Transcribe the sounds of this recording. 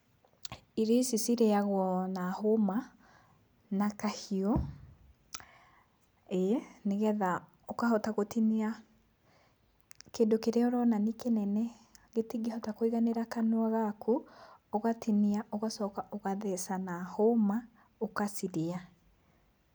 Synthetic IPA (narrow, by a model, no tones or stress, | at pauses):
iɾesisiɾeaɣwɔnahoma | nakahiɔ | eneɣɛða | okahɔtaɣotinia | kendokeɾeɔɾɔnanikenɛnɛ | ɣetiɡehɔtakoiɣaneɾakanwaɣakʰuoɣatiniaʔoɣasɔːkaʔoɣaðɛsanahoma | okasiɾia